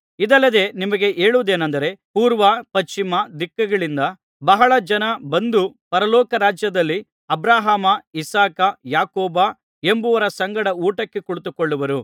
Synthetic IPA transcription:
id̪ɐlːɐd̪e̞ːnimɐɡe̞ʔe̞ːɭuʋd̪e̞ːnɐnd̪ɐɾe̞puːɾʋɐpɐt͡ʃt͡ʃimɐd̪ikːɐɡɐɭind̪ɐ | bɐɦɐɭɐd͡ʒɐnɐbɐnd̪upɐɾɐlɔːkɐɾaːd͡ʒjɐd̪ɐlːi | ɐbɾaːɦaːmɐisaːkɐjaːkɔːba | e̞mbuʋɐɾɐsɐŋɡɐɽɐuːʈɐkːe̞kuɭut̪ukːoɭːuʋɐɾu

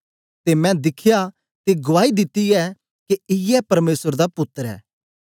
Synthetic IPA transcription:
t̪emɛ̃d̪ɪkʰja | t̪eɡʊʋaːid̪ɪt̪ːiɛ | kiɪɛpɐɾmeːsəɾd̪apʊt̪ːəɾɛ̰ː

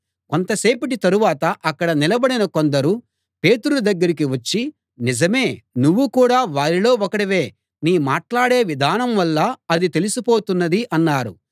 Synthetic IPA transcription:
kont̪ɐse̞ːpɐʈit̪ɐɾuʋaːt̪ɐʔɐkːɐɽɐnilɐbɐɽinɐko̞nd̪ɐɾu | pe̞ːt̪uɽud̪ɐɡːɐɾik̬iʋɐt͡ʃːi | nizɐme̞ːnuʋːukuːɽaːʋaːɾilo̞ːokɐɽiʋeː | niːmaːʈlaːɽe̞ːʋid̪ʱaːnɐmʋɐlːɐɐd̪it̪e̞lisupo̞ːt̪unːɐd̪iʔɐnːaːɾṵ

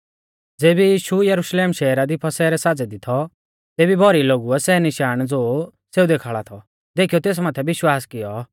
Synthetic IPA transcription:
d͡zeːbijiːʃujɐɾʊʃleːmʃɛːɾad̪ipʰɐsɛːɾɛsaːd͡zɛd̪ɪt̪ʰɔ | t̪eːbibʱɔɾiloːɡuɛsɛnɪʃaːɽ̃d͡zoː | seːud̪eːkʰaːɭat̪ʰɔ | d̪eːkʰijɔt̪eːs̬maːt̪ʰɛʋɪʃwaːskɪjɔ

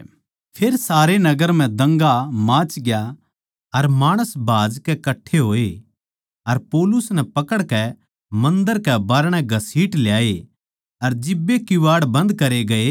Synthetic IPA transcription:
pʰeːɾsaːɾenɐɡəɾm̤ɛ̃d̪ɐ̃ŋɡamãːt͡ʃɡɪja | ɐɾmaːɽ̃əsbʱaːd͡ʒkɛkɐʈʰːeɦoːe | ɐɾpɔːlʊsnɛpɐkəɽkɛ | mɐ̃nd̪əɾkɛbaːɾɽ̃ɛ̃ɡʱɐsiːʈljaːe | ɐɾd͡ʒɪbːekɪʋaːɽbɐ̃nd̪kɐɾeɡɐe

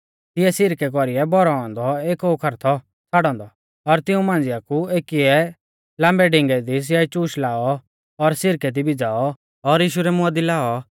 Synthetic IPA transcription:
t̪ɪɛsɪɾkɛkɔɾiɛbɔɾɔɔ̃nd̪ɔeːkɔukʰɐɾt̪ʰɔ | t͡sʰaːɽɔ̃ːnd̪ɔ | ɔɾt̪ɪũmãːnd͡zɪjakueːkiɛ | lãːmbɛɖɪ̃ŋɡɛd̪is̬ɪjait͡ʃuːʃlaːɔ | ɔɾsɪɾkɛd̪ibid͡zaːɔ | ɔɾjiːʃ̬uɾɛmʊad̪ilaːɔ

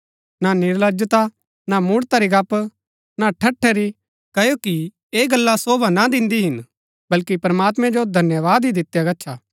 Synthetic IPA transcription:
nanɪɾləd͡ʒət̪a | namuːɽt̪aɾiɡɐp | naʈʰɐʈʰːɛɾi | kɐjoki | eːɡɐlːasoːbʱanad̪ɪ̃nd̪iɦɪn | bɐlkipɐɾmaːt̪mɛ̃d͡ʒod̪ʱɐnjəʋaːd̪ɦid̪ɪt̪jaɡɐtːʃʰaː

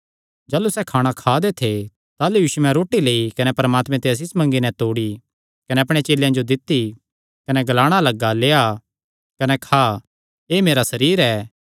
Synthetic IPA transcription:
d͡ʒaːlusɛkʰaːɽ̃ãkʰaːd̪et̪ʰe | t̪aːlujuːʃuɛ̃ɾoːʈileːikɐnɛpɐɾəmaːt̪mɛ̃t̪eɐs̬ɪsmɐ̃ŋɡinɛt̪oːɽi | kɐnɛɐp̬ɽ̃et͡ʃeːljãd͡ʒod̪ɪt̪ːi | kɐnɛɡɐlaːɽ̃alɐɡːaleːa | kɐnɛkʰaː | eːmeːɾasɐɾiːɾɛː

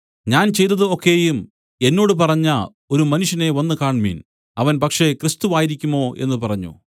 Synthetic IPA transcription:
ɲaːnt͡ɕe̞jt̪ːɐðɨo̞kːeːjum | e̞nːo̞ːɽɨpɐrɐɲːɐ | o̞ɾumɐnuʂjɐne̞ʋɐnːɨkaːɳmḭːn | ɐʋɐnpɐkʂe̞krɨst̪uʋaːjiɾikʲːumo̞ːʔe̞nːɨpɐrɐɲːṵ

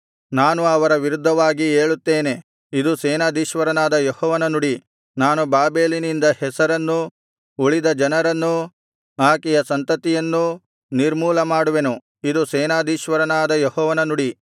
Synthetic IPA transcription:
naːnuɐʋɐɾɐʋiɾud̪ʱːɐʋaːɡieːɭut̪ːeːne̞ | id̪usɛːnaːd̪iːʃʋɐɾɐnaːd̪ɐjɔhɔːʋɐnɐnuɽi | naːnubaːbeːlinind̪ɐhɛsɐɾɐnːu | uɭid̪ɐd͡ʒɐnɐɾɐnːu | aːkɛjɐsɐnt̪ɐt̪ijɐnːu | niɾmuːlɐmaːɽuʋe̞nu | id̪usɛːnaːd̪iːʃʋɐɾɐnaːd̪ɐjɔhɔːʋɐnɐnuɽi

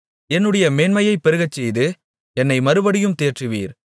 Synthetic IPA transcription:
ɛnːɯɽɐjɐmeːnmɐjɐɪpːɛɾɯɣɐt͡ʃːɛjðɯ | ɛnːɐɪmɐɾɯʋɐɽɪjɯmt̪eːrʈrɯʋḭːɾ

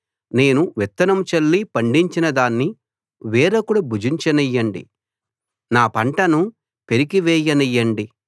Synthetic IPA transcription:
ne̞ːnuʋɛt̪ːɐnɐmut͡ʃɐlːipɐɳɖiɲt͡ʃinɐd̪aːnːi | ʋɛːɾɐkuɽɐbʱud͡ʒiɲt͡ʃɐnijːɐɳɖḭ | naːpɐɳʈɐnu | pe̞ɾikiʋɛːjɐnijːɐɳɖi

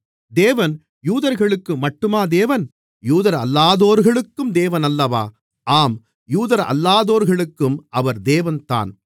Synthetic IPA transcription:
d̪eːʋɐn | juːðɐɾɣɐɭɯkːɯmɐʈːɯmaːd̪eːʋɐn | juːðɐɾɐ̰lːaːðoːɾɣɐɭɯkːɯmd̪eːʋɐnɐlːɐʋa̰ː | ʔaːm | juːðɐɾɐ̰lːaːðoːɾɣɐɭɯkːɯmɐʋɐɾd̪eːʋɐnt̪a̰ːn

